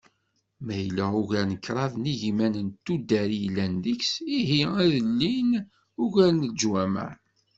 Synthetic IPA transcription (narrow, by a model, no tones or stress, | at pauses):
mæjlæʊʝænəkːɾˤɑvniʝimænənt̪ːud̪ːæɾijlːænd̪əksiɦiæðəlːin | ʊʝæɾnəd͡ʒwæmæ̰